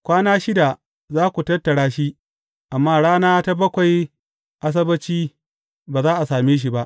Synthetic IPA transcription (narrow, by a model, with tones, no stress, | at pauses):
kʷaː˦naː˦ʃɪ˦da˨ | zaː˦kʷu˨tɐ˦tːɐ˨ɽaː˦ʃi˦ | ʔa˨mːaː˦ɽaː˦naː˦ta˦bɐ˦kʷa˨j | ʔa˦s̬ɐ˦bɐ˦t͡ʃiː˦ | baː˨zaː˦ʔa˨saː˨meː˦ʃ̬i˨ba˦ʔ